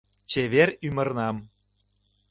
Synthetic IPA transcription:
t͡ɕeβeɾymə̆rnɑm

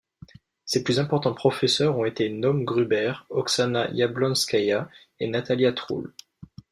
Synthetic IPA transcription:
seplyzɛ̃pɔʁt̪ɑ̃pχɔfɛsœʁɔ̃et̪enɔmɡʁybɛʁɔksanajablɔ̃nskaja | enat̪aljat̪χṵl

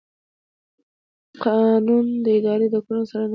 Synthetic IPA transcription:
qʰɑnund̪əɪd̪ɑɾed̪əkoɾansaɾan

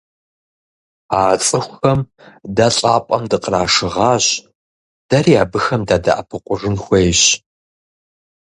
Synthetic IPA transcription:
at͡sʼɨxʷxɐm | daɕʼaːpʷʼɐ̰mdɨqraːʂɨʁɑːɕ | d̥ɐriːaːbɨxɐmdaːda̰ʔa̰pʰɨqʷʼʊʐɨnxʷejɕ

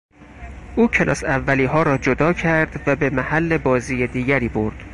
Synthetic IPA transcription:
ʔuːcʰelʔɒ̰ːsævːæliːɦɒːɾɒːd͡ʒod̪ɒːcʰæɾd̪væbemæhælːe̞bɒːziːjed̪iːɟæɾiːboɾd̪̥

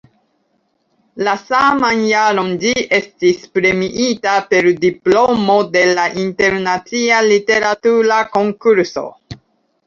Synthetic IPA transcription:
lasamanjaɾo̞nd͡ʒie̞stispɾe̞miʔitape̞ɾdiplo̞mo̞de̞laʔinte̞ɾnat͡sialite̞ɾatuɾako̞ŋkuɾso̞̰

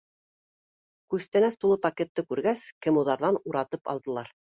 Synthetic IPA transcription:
kʉst̪ænæst̪ulˠɤpɐkʲet̪ːɤkʉɾɡæskɘ̆muðɑɾðɑnuɾɑt̪ɤpɑ̰lˠd̪ɤ̆lˠɑɾ

